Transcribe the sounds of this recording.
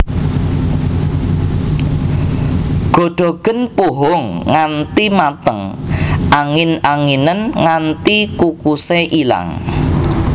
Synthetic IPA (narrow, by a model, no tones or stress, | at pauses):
ɡ̥o̤ɖ̥ɔ̤ɡ̥ə̤npoɦɔŋːant̪imat̪əŋʔaŋɪnaŋinənŋant̪ikukuseʔila̰ŋ